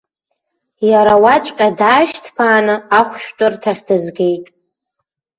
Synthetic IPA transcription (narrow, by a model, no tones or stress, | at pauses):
jaɾawat͡ʃʷʼqʲʼadaːʃtʰpʰaːnɨaχʷʃᶣtʼɨrtʰaʁʲdɨzɡʲe̞jtʼ